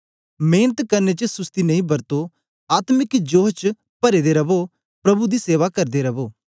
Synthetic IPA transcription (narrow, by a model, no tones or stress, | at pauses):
meːnət̪kɐɾnet͡ʃsʊst̪inɐĩbɐɾt̪o | aːt̪mɪkd͡ʒoːɦt͡ʃ | pɐɾed̪eɾɐbo | pɾɐbud̪iseːʋakɐɾd̪eɾɐboː